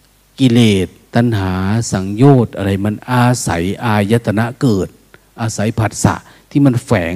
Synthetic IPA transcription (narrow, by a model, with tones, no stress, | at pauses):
ki˧˨leː˨˩t̪̚ːa˧˨nɦaː˩˦sa˨˩˦ŋjoː˧˩t̪̚ʔa˧ɾa˧˩jma˧˥˨nʔaː˧sa̰˨˩˦jʔaː˧˩ja˧t̪ʰːa˧na˧˥ʔkɤː˨˩t̪̚ | ʔaː˧sa˨˦jpʰa˨˩t̪̚sa̰˧˦ʔ | t̪ʰiː˧˩ma˧˥˨nfɛː˩˦